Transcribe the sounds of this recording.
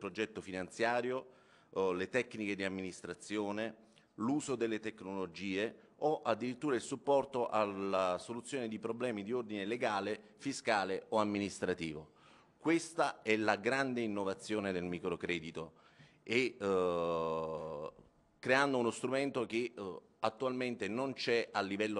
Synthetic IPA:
pɾod͡ʒɛt̪ːofinant̪sjaːɾjo | let̪ɛkːniked̪iamːinist̪ɾat̪sːjoːne | luːzod̪elːet̪ekːnolod͡ʒiːe | oʔad̪ːiɾit̪ːuːɾailsupːɔrt̪oʔalasolut̪sːjoːned̪ipɾoblɛːmid̪iord̪ineleɡaːle | fiskaːleoamːinist̪ɾat̪iːvo | kwest̪aɛlaɡɾand̪einːovat̪sːjoːned̪elmiːkɾokɾɛːd̪it̪o | e | kːɾeand̪ounost̪ɾument̪ok̟e | at̪ːualment̪enont͡ʃɛalːivɛlːo

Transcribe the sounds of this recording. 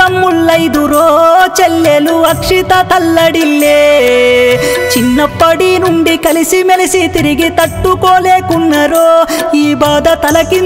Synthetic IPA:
ɐmːuɭːɐjd̪uɾoːt͡ʃɛlːeluɐkʂit̪ɐt̪ɐlːɐɽilːe | t͡ʃinːɐpːɐɽinuɳɖikɐlisimelisit̪iɾiɡit̪ɐʈːukoːleːkunːɐɾoːiːbaːd̪ɐt̪ɐlɐkin

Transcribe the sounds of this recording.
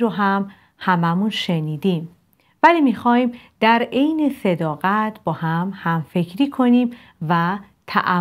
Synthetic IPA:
ɾoɦæm | hæmæmunʃe̞niːd̪im | væliːmixɒːhiːmd̪̥æɾejnese̞d̪ɒːɣæt̪ʰbɒːhæmhæmfe̞cʰɾiːkʰo̞niːm | væ | t̪ʰæ̰ʔæ

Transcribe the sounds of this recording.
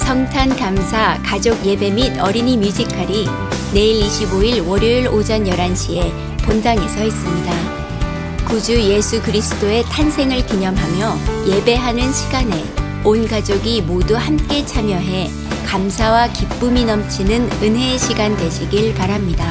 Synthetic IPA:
sʰʌŋtʰankamsʰakad͡ʑoɡje̞be̞midʌɾinimjud͡ʑikʰaɾi | ne̞iɾiɕʰiboiɭwʌɾjoiɾod͡ʑʌnjʌɾanɕʰie̞ | pondaŋe̞sʰʌis͈ɯmɲida | kud͡ʑuje̞sʰukɯɾisʰɯ̥t͈oe̞tʰansʰe̞ŋɯɭkiɲʌmɦamjʌje̞be̞ɦanɯnɕʰiɡane̞ | onɡad͡ʑoɡimoduhamk͈e̞t͡ɕʰamjʌɦe̞ | kamsʰawakip͈uminʌmt͡ɕʰinɯnɯnɦe̞ɕʰiɡande̞ɕʰiɡiɭpaɾamɲida

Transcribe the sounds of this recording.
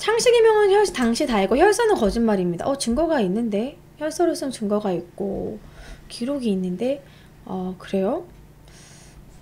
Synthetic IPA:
t͡ɕʰaŋɕʰiɡimjʌŋɯnçjʌɭtaŋɕʰitaiɡoçjʌɭs͈ʌnɯnkʌd͡ʑinmaɾimɲida̰ʔʌt͡ɕɯŋɡʌɡainːɯnde̞ | çjʌɭs͈ʰʌɾɯs͈ɯŋt͡ɕɯŋɡʌɡaik̚k͈o̰ | kiɾoɡiːnːɯnde̞ | ʌkɯɾe̞jo

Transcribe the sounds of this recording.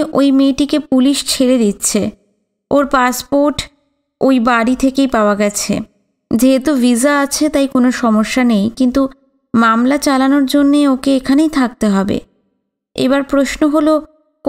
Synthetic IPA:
ʔojmeʈikepuliʃt͡ɕʰeled̪it̪ːɕʰe | oɾpaspoɾʈ | ojbaɽit̪ʰekejpaoaɡɛt͡ɕʰḛ | d͡ʑeɦet̪ovizaat͡ɕʰet̪ajkonoʃɔmoʃːanejkint̪u | mamlat͡ɕalanoɾd͡ʑonːeokeekʰanejt̪ʰak̚t̪eɦɔbḛ | ḛβaɾpɾoʃnoɦolo | k

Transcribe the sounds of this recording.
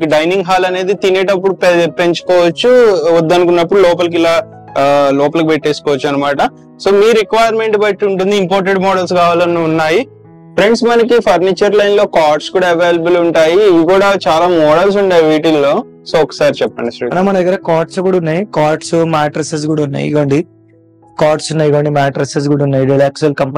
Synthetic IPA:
kɐɖɐjniŋɡɦaːlɐne̞ːd̪it̪ineːʈɐp̬ːuɽuppe̞ɲt͡ʃu̥kɔːʋɐt͡ʃːuʋɐd̪ːɐnukunːɐpːuɽulɔːp̬ɐlɐk̬ilaː | lɔːpɐlɐk̬upeʈːeːskɔːʋɐt͡ʃːuɐnːɐmaːʈɐ | soːmiːɾikʋaːjɐɾme̞ɳʈbɐʈːuɳʈund̪iimpoːɾʈ̬eɖmɔːɽɐls̬kaːʋaːlɐnuunːaːji | pʰɾe̞ɳʈsmɐnɐkipʰɐɾniːt͡ʃɐɾlɐjnlo̞ːkaːɾʈskuːɽaːɐʋeːlɐbɐluɳʈaːjikuːɽat͡ʃaːlaːmɔːɽɐls̬uɳʈaːjʋiːʈiloː | soːɔkːɐ̥saːɾit͡ʃɛpːɐɳɖisɐɐnamɐnɐ̃d̪ɐɡɐɾɐkaːɾʈskuːɽaunːaːjikaːɾʈsumaːʈɾɐses̬kuːɽaunːa̰ːjḭɡɐɳɖi | kaːɾʈsunːaːjiɡɐːɳɖimaːʈɾeses̬kuːɽaunːaːjiɾilaːksɐlkɐmp

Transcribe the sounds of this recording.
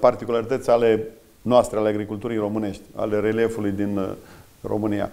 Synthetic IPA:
part̪ikulaɾit̪ət̪sʲale̞ | noast̪ɾealeaɡɾikult̪uɾijro̞mɨne̞ʃt̪ʲa̰le̞ɾelije̞fulujd̪in | ro̞̰mɨnija̰

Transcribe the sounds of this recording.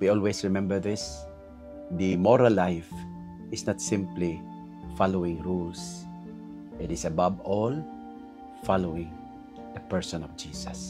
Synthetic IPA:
wiɔlwɛsɹɪmɛ̃mbəɹðɪs | d̪imɔɾalːajf | ɪsnat̪sɪ̃mpli | falowɪ̃ŋɹuls | ʔɪt̪ɪsababɔl | falowɪ̃ŋ | d̪əpɛɹsɔ̃nɔvd͡ʒiːsas

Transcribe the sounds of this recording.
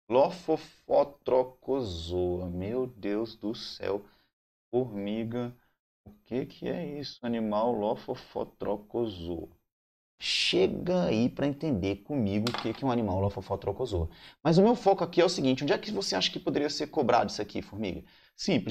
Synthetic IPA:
lofofot̪ɾokozoɐmewd̪ewzd̪ʊsɛ̰w | foɾmiɡɐ | ʊkekʰɪɛ̰isʊɐnĩmawlofofo̰t̪ɾokozo̰ | ʃeɡɐaipɾɐẽnt̪ẽnd̪ekõmiɡʊːkekɛũɐnĩmawlofofɔt̪ɾokozomɐzʊmewfɔkʊakiɛʊsiɡĩt͡ʃɪũd͡ʒiakɪvoseaʃɐ̥kɪpod̪eɾiɐseɾkobɾa̰d̪ʊisakifoɾmḭɡɐ | sĩplɪ

